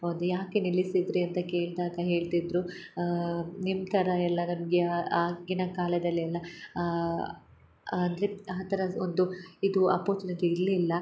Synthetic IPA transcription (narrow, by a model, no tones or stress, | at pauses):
oːd̪ujaːkenilisid̪ɾeɐnt̪ɐke̞ːɭd̪aːɡɐɦe̞ːɭt̪id̪ɾu | nimt̪ʰɐɾɐɛlːɐnɐmɡeaːɡinɐkaːlɐd̪ɐlːiɛlːɐ | ɐnd̪ɐɾeaːt̪ʰɐɾɐond̪uid̪uɐpoːt͡ʃnɐɡ̪eiɾlilːɐ